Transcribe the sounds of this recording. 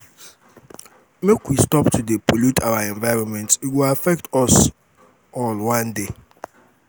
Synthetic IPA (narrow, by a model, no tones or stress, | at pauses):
mekwistɔptʰudepʰolutʰawaɛ̃ɱvaɪɹɔ̃nmɛ̃ntitwilafɛk̚tɔs | ɔlwãnde